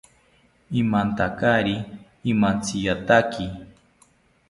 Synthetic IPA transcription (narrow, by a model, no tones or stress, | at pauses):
imant̪akaɾiː | mant͡sijat̪aki